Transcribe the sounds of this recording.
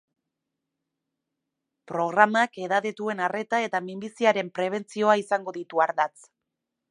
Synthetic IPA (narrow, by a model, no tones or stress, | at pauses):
pɾo̞ɣ̞ɾamakeðaðet̪ue̞nare̞t̪ae̞t̪amimbisiaɾe̞mpɾe̞β̞e̞nt͡sio̞aisaŋɡo̞ðit̪uaɾðat͡s